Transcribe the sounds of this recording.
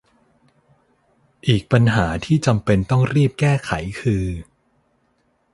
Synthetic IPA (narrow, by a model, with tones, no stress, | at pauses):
ʔiː˨˩k̚pa˧nɦaː˩˦t̪ʰiː˥˩t͡ɕa˧mpe˧nt̪ɔ˥˩ŋɾiː˥˩p̚kɛː˥˩kʰa˩˦jkʰɯː˧